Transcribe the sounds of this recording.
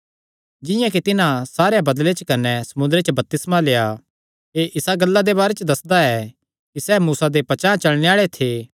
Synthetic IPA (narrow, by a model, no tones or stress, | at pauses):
d͡ʒɪjãk̬it̪ɪnãsaːɾejabɐd̪let͡ʃkɐnɛsɐmʊ̃nd̪ɾet͡ʃəbɐp̚t̪ɪsmaleːa | eʔɪsaɡɐlːad̪ebaːɾet͡ʃəd̪ɐsd̪aɛ | kisɛːmuːsad̪epɐt͡ʃãːt͡ʃɐlneaːɭet̪ʰeː